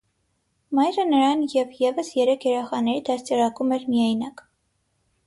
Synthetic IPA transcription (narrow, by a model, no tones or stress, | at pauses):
mɑjɾənəɾɑnjɛvjɛvəsjɛɾɛkʰjɛɾɛχɑnɛɾid̪ɑɾt͡sɛɾɑkumɛɾmijɑjnɑk